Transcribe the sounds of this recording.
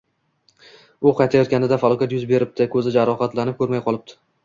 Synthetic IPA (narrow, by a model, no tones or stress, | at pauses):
ʊqʰɑjt̪ʰajɒt̪̚kʲanɪd̪afalˠɒkʲat̪jʊzbe̞ɾɪp̚t̪ʰɪkʰɵzɪd͡ʒaɾɒhat̪lanɪp̚kʰʲɵɾmajqʰɒlˠɪb̚t̪ʰɪ̥